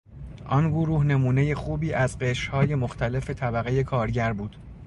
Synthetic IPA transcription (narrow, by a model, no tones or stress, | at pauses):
ʔɒnɡoɾuːhne̞muːne̞je̞xuːbiːʔæzɢeʃhɒːje̞moxt̪ʰæle̞fe̞t̪ʰæbæɣe̞je̞kʰɒːɾɟæɾbuːd̪̥